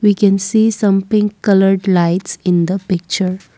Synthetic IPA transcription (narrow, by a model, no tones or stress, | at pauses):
ʋikɛ̃nsiːsʌ̃mtɪ̃ŋkʌləɾɖlaɪʈsɪ̃nd̪əpɪk̚t͡ʃəɾ